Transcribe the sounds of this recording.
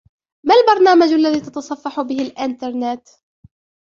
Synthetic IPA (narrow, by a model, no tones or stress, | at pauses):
malbɑɾˤnaːmad͡ʒʔalːaðiːt̪ɑt̪ɑsˤɑfːɑħʊbɪhɪlʔɪnt̪ɑɾˤnɪt̪